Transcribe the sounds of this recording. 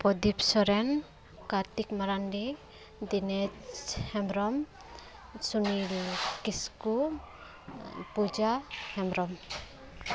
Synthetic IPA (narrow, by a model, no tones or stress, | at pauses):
pɔd̪ipsɔɾɛn | kaɾt̪ikmaɾanɖi | d̪ined͡ʒhɛmɾɔm | suniɾkisku | pud͡ʒahɛmɾɔm